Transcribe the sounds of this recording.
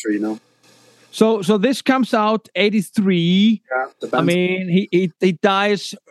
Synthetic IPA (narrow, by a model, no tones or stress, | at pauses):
ɹino | soʊsoʊðɪskʰʌ̃msaʊteɪɾiθɹiːɛəbamĩnɦihihid̥aɪz̥